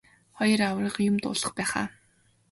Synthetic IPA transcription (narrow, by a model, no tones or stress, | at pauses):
χɔjɞ̆rawrəːχjʊmt̪ʊ̰ːɮə̥̆χpæːχa̰ː